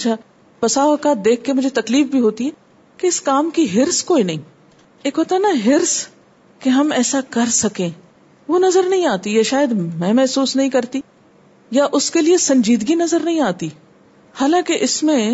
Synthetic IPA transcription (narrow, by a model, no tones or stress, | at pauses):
t͡ʃʰa | pɐsaːʋəkaːt̪̚d̪eːkʰːemʊd͡ʒʱet̪ɐkliːfbʱiɦoːt̪iɦɛː | keɪskaːmkiɦɪɾskoːinɐɦĩː | eːkɦoːt̪anaɦɪɾs | keɦɐmɛːsakɐɾsɐkẽː | ʋoːnɐzəɾnɐɦĩaːt̪ijaʃaːjəd̪mɛ̃mɛɦsuːsnɐɦĩkɐɾt̪i | jaʔʊskeliesɐ̃ɲd͡ʒiːd̪ɡinɐzəɾnɐɦĩaːt̪i | haːlãːkeʔɪsmẽ